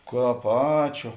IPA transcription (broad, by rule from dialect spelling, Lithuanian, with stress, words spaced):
ˈkɑːp ˈɑːt͡ʃʲuː